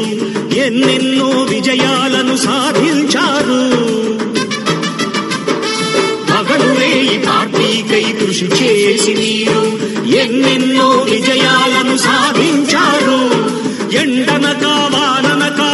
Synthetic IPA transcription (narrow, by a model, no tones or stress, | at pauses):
enːenːoːʋid͡ʒɐjaːlɐnusaːd̪ʱiɲt͡ʃaːɾu | bɐɡɐɭuleːjipaːʈːiːkɐjt̪uʂit͡ʃeːsiniːɾu | enːenːoːʋid͡ʒɐjaːlɐnusaːd̪ʱiɲt͡ʃaːɾu | eɳɖɐnɐkaːʋaːnɐnɐkaː